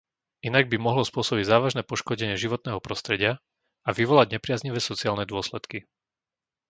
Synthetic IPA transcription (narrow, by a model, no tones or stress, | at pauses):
inaɡ̚bimɔɦlɔspʊɔsɔbiɟzaːʋaʒnɛːpɔʃkɔɟɛɲɪɛʒiʋɔt̪nɛːɦɔpɾɔst̪ɾɛɟɪa | aʋiʋɔlaɟɲɛpɾɪazɲiʋɛːsɔt͡siaːlnɛd̪ʊɔslɛt̪ki